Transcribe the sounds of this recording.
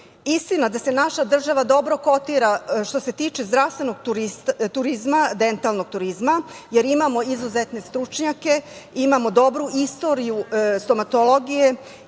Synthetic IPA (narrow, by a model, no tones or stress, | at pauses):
ist̪inad̪ase̞naʃad̪r̩ʒaʋad̪o̞bɾo̞ko̞t̪iɾaʃt̪o̞se̞t̪iːt͡ʃezd̪ɾast̪ʋe̞no̞ɡt̪uɾist̪uɾizmad̪e̞nt̪alno̞ɡ̥̚t̪uɾizmaje̞ɾimamo̞izuzet̪ne̞st̪ɾut͡ʃɲake̞imamo̞d̪o̞bɾuʔist̪o̞ɾijust̪o̞mat̪o̞lˠo̞ɡije̞